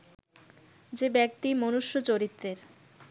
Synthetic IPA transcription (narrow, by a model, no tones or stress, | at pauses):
d͡ʑebɛk̚t̪imonuʃːot͡ɕoɾit̪ːɾeɾ